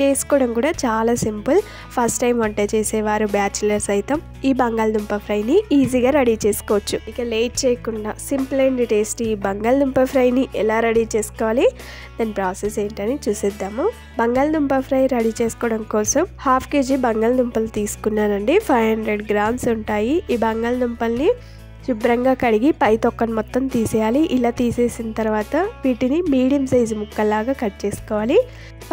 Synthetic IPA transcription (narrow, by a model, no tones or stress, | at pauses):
t͡ʃeːsu̥kɔːɽɐmkuːɽaːt͡ʃaːlaːsimpɨl | pʰɐɾsʈʈːɐjmʋɐɳʈejt͡ʃeːsɛːʋaːɾubjaːt͡ʃulɐɾsɐjt̪ɐm | iːbɐŋɡaːlɐd̪umpɐpʰɾɐjniiːziːɡaːɾɐɽit͡ʃeːsu̥kɔːʋɐt͡ʃːuikɐleːʈ̚t͡ʃeːjɐkuɳɖaːsimpleɳɖiʈesʈiːbɐŋɡaːld̪umpɐpʰɾɐjniʔɛlaːɾɐɽit͡ʃeːsu̥kɔːʋaːli | d̪ɐnpɾaːseseːɳʈɐnit͡ʃuːsid̪ːaːmo | bɐŋɡaːlɐd̪umpɐpʰɾɐjɾɐɽiːt͡ʃeːskɔːɽɐmkɔːsɐmhaːpʰke̞ːd͡ʒibɐŋɡalɐd̪umpɐlt̪iːsu̥kunːaːɾɐɳɖipʰɐjʋɦɐɳɖɾeɖɡɾaːɳsuɳʈaːjiʔiːbɐŋɡaːlɐd̪umpɐlni | ʃubɾɐŋɡaːkɐɽiɡipɐjt̪ɔkːɐnmɔt̪ːɐmt̪iːsɛːjaːliʔilaːt̪iːseːsinɐt̪ɐɾʋaːt̪ɐʋiːʈinimiːɽijɐmsɐjd͡ʒimukːɐlːaːɡaːkɐʈt͡ʃeːsu̥kɔːʋaːli